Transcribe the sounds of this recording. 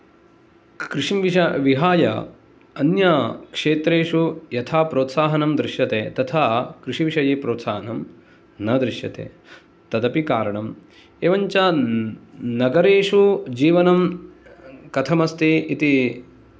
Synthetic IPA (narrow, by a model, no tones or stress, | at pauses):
kɾɪʂimʋiɐʋiɦaːjɐ̰ | ɐnjɐkʂeːt̪ɾeːʂujɐt̪ʰaːpɾoːt̪saːɦɐnɐmd̪ɾɪʃjɐt̪eːt̪ɐt̪ʰaːkɾɪʂiʋiʂɐjeːpɾoːt̪saːɦɐnɐm | nɐd̪ɾɪʂjɐt̪ḛː | t̪ɐd̪ɐpikaːɾɐɳɐm | eːʋɐɲt͡ʃɐ | nɐɡɐɾeːʂud͡ʒiːʋɐnɐm | kɐt̪ʰɐmɐst̪iit̪i